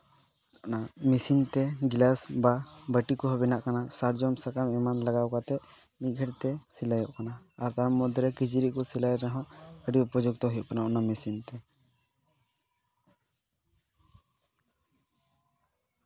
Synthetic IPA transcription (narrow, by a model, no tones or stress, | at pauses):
ɔnamisint̪ɛɡilasbabəʈikɔɦɔbɛnaʔkanasaɾd͡ʒɔmsakamɛmanlaɡawkat̪ɛ | mit̪̚ˀɡʱəɽt̪ɛsilajɔʔkanaːɾt̪aɾmːɔd̪ʱɾɛkid͡ʒiɾiʔkɔsilajɾaɦɔ̃ʔəɖiupɔd͡ʒuɡ̚t̪ɔɦɔjɔʔkanaɔnamisint̪ɛ